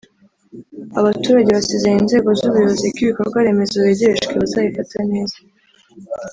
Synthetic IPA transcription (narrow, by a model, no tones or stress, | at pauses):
aβatuːɾaɟe̞βasizejeinze̞ːɡo̞zuβujoβozekiβiko̞ɾɡwaɾe̞me̞zaeɟeeʃɡeβazajifatane̞ːzḁ